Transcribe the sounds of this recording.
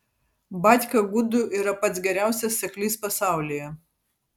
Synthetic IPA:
bɑːˑt̪ʲkʲɐɡʊd̪ʊʔiːɾɐpɐt̪sɡʲɛɾʲæˑʊsʲɛsʲsʲɛklʲiːspɐsɑˑʊlʲɪjɛ

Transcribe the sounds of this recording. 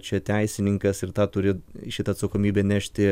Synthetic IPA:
t͡ʃʲɛt̪ʲæɪsʲɪnʲɪŋkɐsɪɾt̪ɑːt̪ʊɾʲɪʃʲɪt̪ɐːt̪sɐkoːmʲiːbʲeːnʲæʃʲt̪ʲɪ

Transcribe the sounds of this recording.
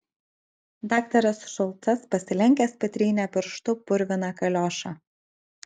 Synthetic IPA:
d̪ɑːkt̪ɐɾɐsʃɔlˠt̪sɐspɐsʲɪlʲɛŋʲkʲɛspʲɐt̪ʲɾʲiːnʲɛpʲɪɾʃt̪ʊpʊɾʲʋʲɪnɑkɐlʲoːʃɑ

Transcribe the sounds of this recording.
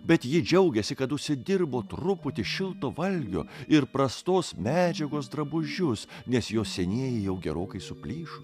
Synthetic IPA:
bʲɛt̪jɪd͡ʒʲɛʊɡʲɛsʲɪkɐt̪ʊʃʲsʲɪd̪ʲɪrboːt̪ɾʊpʊt̪ʲɪʃʲɪlˠt̪oːʋɐlʲɡʲo̰ːɪɾpɾɐst̪oːsmʲæːd͡ʒʲɛɡoːsd̪ɾɐbʊʒʲʊs | nʲɛsjoːsʲɛnʲeːjɪjɛʊɡʲɛɾoːkɐɪsʊpʲlʲiːʃʊ

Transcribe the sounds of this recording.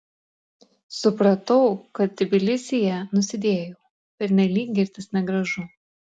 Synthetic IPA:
sʊpɾɐt̪ɐʊkɐt̪̚d̪ʲɪbʲɪlʲɪsʲɪjɛnʊsʲɪd̪ʲeːjoː | pʲɛɾʲnʲɛlʲiːk̚ʲɡʲɪɾʲt̪ʲɪsnʲɛɡɾɐʒʊ

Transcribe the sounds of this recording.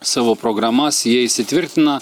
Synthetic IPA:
sɑːʋoːpɾoɡɾɐmɐsjiɛɪsʲɪt̪ʲʋʲɪɾʲt̪ʲɪnɐ

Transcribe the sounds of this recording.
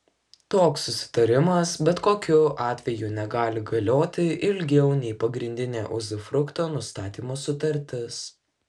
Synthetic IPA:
t̪oːksːʊsʲɪ̥t̪ɐɾʲɪmɐsbʲɛt̪koːkʲʊʔɑːt̪ʲʋʲɛjuːnʲɛɡɑːlʲɪɡɐlʲoːt̪ʲɪʔɪlʲɡʲɛʊnʲɛɪpɐɡɾʲɪnʲd̪ʲɪnʲḛːʔʊzʲɪfɾʊkt̪oːnʊst̪ɑːt̪ʲiːmoːsʊt̪ɐɾʲt̪ʲɪs

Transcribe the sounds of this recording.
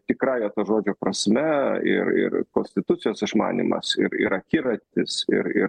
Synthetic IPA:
t̪ʲɪkɾɑːjoːt̪oʒoːd͡ʒʲoːpɾɐsʲmʲɛɪ̰rɪ̰rkoːnʲsʲt̪ʲɪt̪ʊt̪sʲɪjoːsɪʃmɑ̰ːnʲḭːmɐ̰sɪɾɪ̰ɾɐkʲiːɾɐt̪ʲɪsɪ̰ɾɪɾ

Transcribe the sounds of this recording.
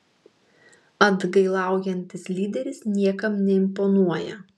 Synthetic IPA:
ɐd̪ɡɐɪlˠɑˑʊjɛnʲt̪ʲɪslʲiːd̪ʲɛɾʲɪsnʲiɛkɐmnʲɛɪmpɔnuɔjɛ

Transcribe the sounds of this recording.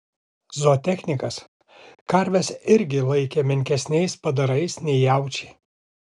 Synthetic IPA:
zoːt̪ʲɛxʲnʲɪkɐs | kɐɾʲʋʲɛsɪɾʲɡʲɪlˠɐɪkʲemʲɪŋʲkʲɛsʲnʲɛɪspɐd̪ɐɾɐɪsnʲɛɪjæˑʊt͡ʃʲɛ̥ɪ

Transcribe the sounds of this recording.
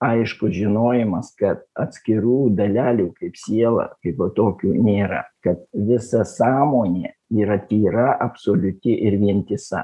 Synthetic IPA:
ɐɪʃkʊʒʲɪnoːjɛmɐskɐt̪̚ɐt̪ʲsʲkʲɪɾuːd̪ɐlʲæːlʲuːkɐɪpsʲiɛlˠɐ̰kɐɪpɐt̪oːkʲuːnʲeːɾɐ̰kɐt̪ʋʲɪsɐsɑːmoːnʲeː | iːɾɐt̪ʲiːɾɐʔɐpsoːlʲʊt̪ʲɪʔɪɾʋʲiɛnʲt̪ʲɪsɐ̰

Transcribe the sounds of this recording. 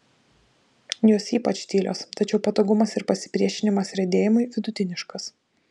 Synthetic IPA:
joːsiːpɐt͡ʃt̪ʲiːlʲo̰ːst̪ɐt͡ʃʲɛʊpɐt̪oːɡʊmɐsɪɾpɐsʲɪ̥pʲɾʲiɛʃʲɪnʲɪmɐsɾʲɛd̪ʲeːjɪmʊɪʋʲɪd̪ʊt̪ʲɪnʲɪʃkɐs

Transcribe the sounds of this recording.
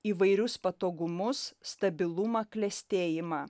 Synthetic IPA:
iːʋɐɪɾʲʊspɐt̪oːɡʊmʊsst̪ɐbʲɪlˠʊmɐklʲɛsʲt̪ʲeːjɪmɑː

